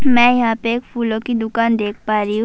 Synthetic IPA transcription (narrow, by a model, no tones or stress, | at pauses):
mɛ̃ːjɐɦãpeeːkfʰuːlõkid̪ʊkaːnd̪eːk̚ʰpaːɾiɦ